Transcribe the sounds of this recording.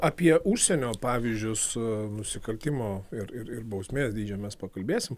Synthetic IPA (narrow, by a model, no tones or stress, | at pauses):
ɑːpʲiɛʊʃʲsʲɛnʲoːpɑːʋʲizʲd͡ʒʲʊsnʊsʲɪkɐlʲt̪ʲɪmoːɪɾɪɾɪɾbɐʊsʲmʲeːsd̪ʲiːd͡ʒʲoːmʲɛspɐkɐlʲbʲeːsʲɪm